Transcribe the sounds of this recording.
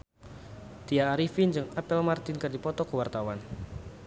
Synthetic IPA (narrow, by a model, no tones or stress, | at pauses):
t̪iaːɾifind͡ʒɨŋapɛlmart̪ɪnkɨrdipɔt̪ɔkəwart̪awan